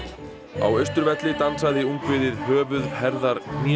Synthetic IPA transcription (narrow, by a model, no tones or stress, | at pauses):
a̰wœɥst̪ʏɾvɛt̪lɪt̪ansaðɪuŋkvɪðɪðhœːvʏðhɛɾðaɾ